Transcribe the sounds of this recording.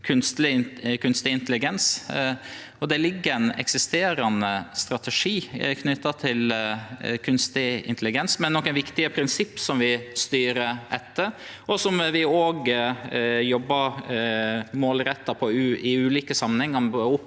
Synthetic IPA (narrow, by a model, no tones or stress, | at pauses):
kʰʉnst̪lɪkʰʉnst̪ɪɪnt̪əlɪɡɛns | ɔd̪ɛlɪɡːəɛnɛ̰ksɪst̪eːɾɑnəst̪ɾɑt̪əʂiːkʰnʏt̪ːɑt̪ʰɪl | kʰʉnst̪ɪɪ̰nt̪əlɪɡɛnsmɛnːɔkːənʋɪkt̪ɪəpʰɾɪnsɪpːsɔmʋɪst̪yːɾəɛt̪ːə | ɔsɔmʋɪoːɡ | jɔbːɑ | moːlɾɛt̪ːɑpʰɔʉɪʉːliːkəsɑmːənhɛŋːɑmbʊpː